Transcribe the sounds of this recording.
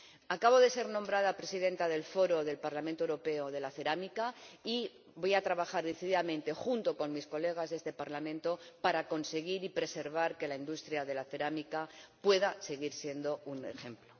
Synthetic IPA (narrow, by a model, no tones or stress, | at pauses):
akaβ̞o̞ðe̞se̞ɾnõ̞mbɾað̞apɾe̞siðe̞nt̪aðe̞lfo̞ɾo̞ðe̞lpaɾlament̪owɾo̞pe̞oðe̞laθe̞ɾamikai | bo̞jat̪ɾaβaxaɾðiθiðiðamẽ̞nt̪e̞xunt̪o̞ko̞nmisko̞le̞ɣ̞azðe̞st̪e̞paɾlamẽ̞nt̪o̞paɾako̞nse̞ɣ̞iɾipɾe̞se̞ɾβ̞aɾke̞laind̪ust̪ɾjaðe̞laθe̞ɾamikapwe̞ðase̞ɣiɾsje̞nd̪o̞une̞̰xe̞mplo